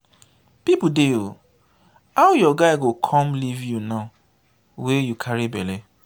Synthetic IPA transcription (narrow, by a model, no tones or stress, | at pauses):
pipudeo | aʊjɔɡaɪɡokʰɔmlivjunaʊ | wejukʰaɾibele